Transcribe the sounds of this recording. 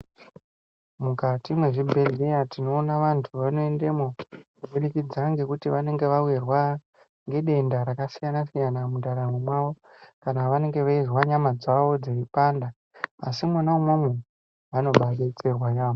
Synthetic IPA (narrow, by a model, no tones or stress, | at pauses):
mukatimwe̞ʐibʱe̞ɮe̞jatino̞ːnaʋantʰuʋano̞e̞ndemokuɓuɗikid͡zaŋɡe̞kutiʋane̞ŋɡe̞ʋawerwa | ŋɡe̞ɗe̞ndaɾakasijanasijanamudaɾamumwaʋo̞ | kanaʋane̞ŋɡe̞ʋaizwaɲamad͡zaʋo̞d͡zeipandaː | simwanamwamwe | ano̞ɓaɗet͡serwajaːʋo